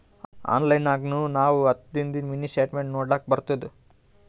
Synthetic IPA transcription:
a̰ːnlɐjnaːɡnunaːʋuɐt̪d̪ind̪inminisʈeːʈmeɳʈnoːɽaːk̚bɐɾt̪ɐd̪e

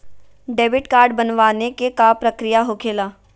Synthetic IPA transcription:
ɖeːbɪʈkaːɾɖbɐnʋaːnekekapɾɐkɾijaɦokʰeːlaː

